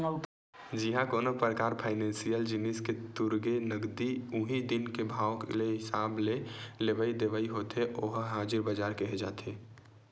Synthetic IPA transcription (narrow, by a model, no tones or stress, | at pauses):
d͡ʒɪɦãkoːnopɾəkaːɾpʰaːɪnɛ̃ːnsijəld͡ʒɪnɪsket̪ʊɾɡenəɡd̪iʊɦid̪ɪnkebʱaːʋkḛleɦɪsaːblelebəid̪eʋəiɦoːt̪eʔoɦɦaːd͡ʒɪɾbəd͡ʒaːɾkeɦed͡ʒa̰ːt̪eː